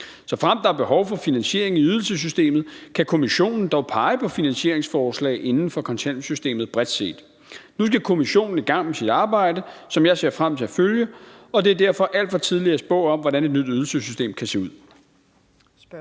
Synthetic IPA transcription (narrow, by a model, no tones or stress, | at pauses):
sɒ̽fʁam̰d̥ɑ̈æɐb̥e̝ɦɒʊfɒ̽finænɕe̝ɐe̝ŋiyð̞ˠl̩səs̬ysd̥e̝̰ːmð̞̩ˠkʰækʰo̝miɕo̝̰ːnn̩d̥ɒʊpʰɑ̈ɪpʰɒ̽finænɕe̝ɐ̰eŋsfɒːslɛ̰ːɪʔe̝nn̩fɒ̽kʰɒ̽nsʰænsysd̥e̝̰ːmð̩ˠb̥ʁɛd̥se̝̰ːd̥ | nus̬ɡ̥ækʰo̝miɕo̝̰ːnn̩iɡ̥ɑ̈ŋ̰mesid̥ɑ̈ːb̥ɑ̈ɪ̰dəsɒ̽mjɑ̈ɪse̝ɐfʁam̰t͡sʰe̝æføljəɒ̽d̥e̝æɐd̥æɐ̰fɒ̽ʔæl̰d̥fɒ̽t͡sʰið̞ˠliɐsb̥ɔ̰̽ːɒ̽mʋɒɾæned̥nyd̥yð̞ˠl̩səsysd̥e̝̰ːmkʰæse̝ːuð̞̰ˠ